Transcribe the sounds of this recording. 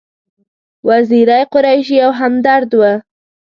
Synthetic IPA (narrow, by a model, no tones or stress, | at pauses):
waziɾajqʊɾajʃ̬ijawɦamd̪aɾd̪wa